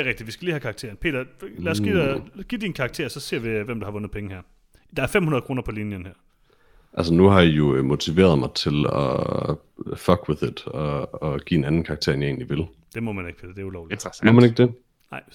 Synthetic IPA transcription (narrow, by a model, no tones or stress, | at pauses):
eɡʁɛɡ̥̚did̥ʋisɡ̥æliːhækʰɑ̈ɡ̥̚t͡sʰe̝̰ɐn̩pʰe̝ːd̥ɐlæːɐsɡ̥idɡ̥id̥inkʰɑ̈ɡ̥t͡sʰe̝̰ɐsɒ̽se̝̰ɐʋeʋemd̥uhɑ̈ʋɔ̽nð̩ˠpʰeŋəhæɐ̰ | d̥ɑ̈æɐfem̰hunɐð̩ˠkʁo̝ːnɐpʰɒ̽linjənhæɐ̰ | ʔæls̬ənuhɑ̈jijo̝mo̝t͡sʰiʋe̝̰ːɐð̞̩ˠmɑ̈ɪt͡sʰe̝lɒ̰ | fɒɡ̥weðˠɪ̝d̥ɒːɡ̥ḭenænn̩kʰɑ̈ːɡ̥̚t͡sʰe̝ɐ̰enjae̝ːnliʋe̝l | d̥e̝mɔ̽mæne̝ɡ̥pʰe̝ːd̥ɐd̥e̝æɐulɒʊlimɔmæneɡ̥̚d̥e | nɑ̈ɪ